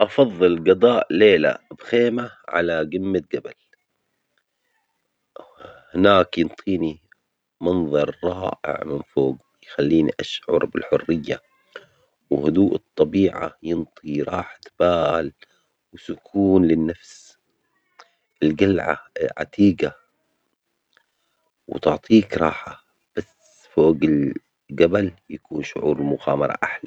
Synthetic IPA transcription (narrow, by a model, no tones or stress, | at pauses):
ʔɑfɑðˤːɨlɡɑd̪ˤɑːʔleːla̰b̥xeːmaʕa̰laɡɪmːat̪̚ɡabal | hɪnaːkjɨnt̪ˤʰiːni | mɑnðˤɑɾˤːɑːʔɪ̰ʕmɪnfoːɡ | jxalːiːniʔaʃʕʊ̰ɾˤbɪlħʊrːɪjːa | whʊd̪uːʔɨt̪ˤːɑbiːʕa̰jɪnt̪ˤiɾˤɑːħḁt̪b̥aːl | wɪsʊkʰuːnlɪnːafs | ʔɪlɡalʕa̰ʕa̰t̪ʰiːɡa | wɪt̪ʊʕt̪ˤʰiːkɾˤɑːħa | b̥as | foːɡɪl | ɡabaljakuːnʃʊʕuːɾlmʊɣaːmɑɾˤɑ̰ʔaħla